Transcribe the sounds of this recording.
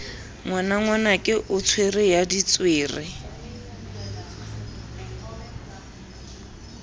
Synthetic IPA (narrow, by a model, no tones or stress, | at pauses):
ŋwanaŋwanakʼɪʔʊt͡sʰwerɪjadit͡sʼweːrɪ